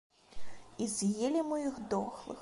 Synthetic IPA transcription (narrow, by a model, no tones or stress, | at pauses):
izʲjelʲimɨjixd̪ɔxlˠɨ̰x